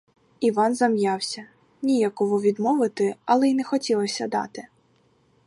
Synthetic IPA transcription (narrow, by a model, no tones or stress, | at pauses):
iʋɑnzɐmjɑwsʲɐ | nʲijakɔʋɔʋʲid̪mɔʋɪt̪ɪɐlˠɛinɛxɔtʲilˠɐsʲɐd̪ɑ̰t̪ɪ